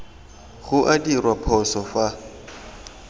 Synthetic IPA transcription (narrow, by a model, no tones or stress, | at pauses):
ɣʊʔadirwapʰɔsɔfa